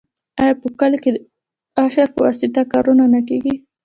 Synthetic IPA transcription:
ajɑpəkalked̪ə | aʃaɾpəwɑsɪt̪akɑɾunanak̬eɡi

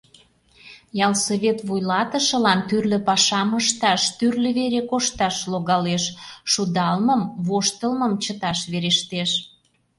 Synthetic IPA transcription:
jɑlsoβet̪βujlɑt̪əʃə̆lɑnt̪yrlø̆pɑʃɑməʃt̪ɑʃt̪yrlə̆βeɾekoʃt̪ɑʃloɣɑleʃʃud̪ɑlməmβoʃt̪əlməmt͡ɕət̪ɑʃβeɾeʃt̪eʃ

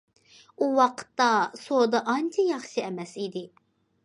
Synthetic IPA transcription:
uwɑqʰə̥t̪ːɑsod̪ɑʔɑnt͡ʃʰɑjɑχʃiɛmɛsid̪ɪ

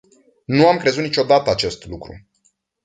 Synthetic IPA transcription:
nuamkɾe̞zut̪nit͡ʃʲod̪at̪əat͡ʃe̞st̪lukɾṵ

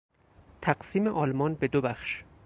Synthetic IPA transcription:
t̪ʰæɢsiːmeʔɒːlmɒːnbe̞d̪obæxʃ

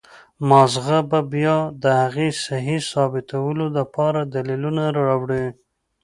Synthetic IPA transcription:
mɑzɣababjɑd̪əhaɣesaɦisɑbɪt̪awəlolapɑɾad̪alilunaɾaawɽi

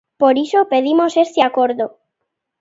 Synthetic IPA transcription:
poɾisopeðimosest̪ɪakoɾðo

